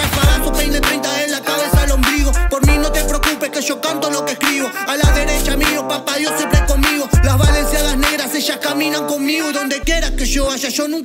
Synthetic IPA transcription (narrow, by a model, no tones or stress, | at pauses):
epaɾastobejnd̪et̪ɾejnt̪aelːakaβe̞salombɾiðopoɾmĩno̞t̪epɾeokupeskeʃo̞kant̪olo̞keskɾiβoalaðeɾe̞t͡ʃamiopapaðjosempɾekoŋmiɣolazβalensjaðasne̞ɣɾaseʃahkamĩnãŋko̞ŋmiɣoðo̞nd̪e̞kje̞ɾakeʃoaʃaʃonũŋ